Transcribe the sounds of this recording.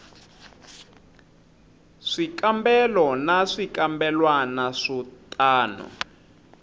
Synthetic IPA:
ʂikambɛlɔnaʂikambɛlwanaʂɔtʼaːnṵ

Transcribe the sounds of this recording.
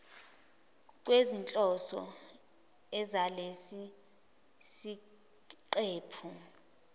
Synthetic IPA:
k̬ʼwezint͡ɬʼɔsɔ̰ | ɛzalesi | si | ǃeːpʰu

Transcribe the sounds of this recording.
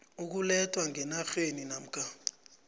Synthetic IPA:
uk̬ulɛtʰʼwaŋɛnaxeninam̩kʰʼa

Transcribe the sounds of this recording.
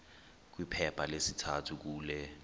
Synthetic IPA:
k̬wipʰɛpʰalesitʰatʰuk̬uːlɛ

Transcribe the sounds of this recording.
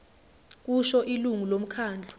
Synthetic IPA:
k̬uʃɔʔiluŋulom̩kʰaːnd͡ɮʱu

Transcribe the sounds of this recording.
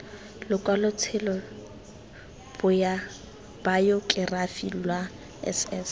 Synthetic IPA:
lʊkʼwalʊt͡sʰɪlɔ | b̥ʊja | b̥ajɔkʼɪrafilwa | ɛ̰sɛs

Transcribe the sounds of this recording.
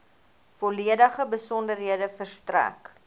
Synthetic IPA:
foliədəχəbəsɔndərɦiədəfərstræ̰k

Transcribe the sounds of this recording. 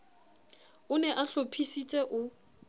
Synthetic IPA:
ʊnɛʔaɬopʰisit͡sʼɛʔʊ

